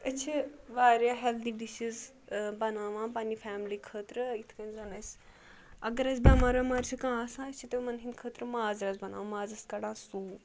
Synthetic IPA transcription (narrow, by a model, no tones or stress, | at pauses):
ɐt͡ʃʰiʋaːɾjaːɦeld̪iɖiʃiz | bɐnaːʋãːpɐnifʰaːmlikʰəːt̪ɾɨit̪ʰkɐnzɐnɐs | ɐɡɐɾɐsbɐmɐɾɐmɐɾt͡ʃʰikãːsãɐt͡ʃʰit̪ɐmɐnɦind̪kʰəːt̪ɾɨmaːzɾɐzbɐna̰ːʋmaːzɾɐskɐɽãːsuː